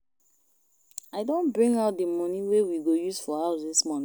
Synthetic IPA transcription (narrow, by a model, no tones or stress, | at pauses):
aɪdõnbɹĩŋɡaʊt̚dəmɔniwewiɡojuzfɔhaʊsdismɔ̃ni